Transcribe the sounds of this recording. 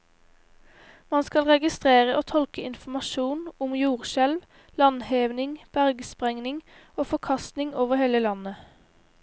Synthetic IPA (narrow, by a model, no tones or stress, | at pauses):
mɑnskɑlʁɛɡɪst̪ʁeːʁəʔoːt̪ʰɔlkəɪnfmɑʃuːnʊmjuːʁʃɛlʋ | lɑnheːʋnɪŋb̥æʁɡəspʁɛŋnɪŋ | oːfɔkʰɑst̪nɪŋoːʋəʁheːləlɑnə